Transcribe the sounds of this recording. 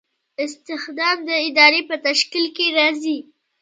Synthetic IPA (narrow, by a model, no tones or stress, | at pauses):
ɪst̪ɪxd̪ɑmd̪əɪd̪ɑɾepət̪aʃkilkeɾɑzi